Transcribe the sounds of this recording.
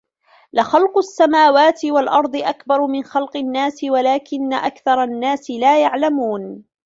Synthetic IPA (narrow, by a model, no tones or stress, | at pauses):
lɪxɑlqʊasːamaːwaːt̪ɪwalʔɑɾˤd̪ˤɨʔakbɑɾˤmɪnxɑlqɨnːaːsɪwalaːkɪnːaʔakθɑɾˤɑnːaːsɪlaːjaʕlamuːn